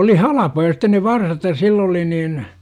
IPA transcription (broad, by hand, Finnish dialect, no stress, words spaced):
oli hɑlɑpojɑ sitːen ne ʋɑrsɑt jɑ silː oli niːn